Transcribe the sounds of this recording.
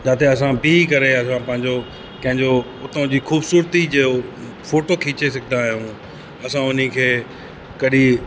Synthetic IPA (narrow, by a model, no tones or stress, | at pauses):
d͡ʑaːt̪eɐsãbikɐɾeɐsãpɐ̃ɦɪ̃ɲd͡ʑo | kɐ̃ɦɪ̃ɲd͡ʑo | ʊt̪õd͡ʑiːxuːbsuːɾt̪id͡ʑeo | foːʈokʰiːt͡ɕes̬ɐɡʱɪnd̪aːɦijũ | ɐsãʊn̤ikʰeː | kɐɗi